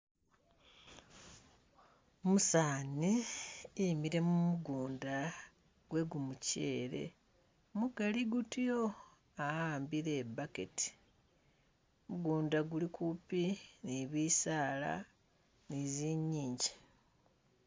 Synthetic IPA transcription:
omusaːniimiɾe̞mumuɡuːnda | ɡ̥we̞ɡumucḛːɾe̞̰ | muɡaliɡutijo | aaːmbiɾe̞ːbake̞̰ti̥ | muɡuːndaɡulikʰupiniβiːsaːla̰ | niziɲːiːɲɟi

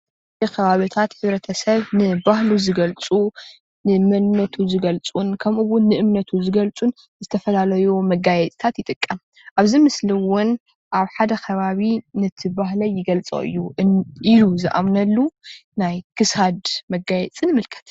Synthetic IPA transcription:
ɨkʰɐβaβit̪ʰat̪ħɨβɾɐt̪ʰɐsɐβnɨbahluzɨɡɐlt͡sʼu | nɨmɐlnɐt̪ʰuzɨɡɐlt͡sʼunkʰɐmʔuwʊnːɨʔɨmnɐt̪ʰuzɨɡɐlt͡sʼun | zɨt̪ʰɐfɐlalɐjumɐɡajɛt͡sʼt̪ʰat̪jɪt̪ʼɨkʼːɐm | ʔaβzimɨsliwʊn | ʔaβħad̪ɐkʰɐβaβinɨt̪ʰɨbaɦlɐjɪɡɐlt͡sʼo̰ʔɨ̰jːuiluzɨʔa̰mnɐlːunajkʰɨsad̪mɐɡajɛt͡sʼɨnɨmɨlkʰɐ̥t̪

